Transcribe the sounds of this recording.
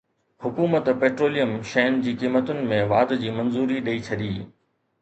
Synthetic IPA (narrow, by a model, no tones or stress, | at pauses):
hʊkuːmət̪peːʈɾoːlijəmʃɐʊnɪ̆d͡ʑiːkiːmət̪ʊnɪ̆mẽʋaːd̪d͡ʑiːmɐ̃nzuːɾiɗɐit͡ɕʰɐɗiː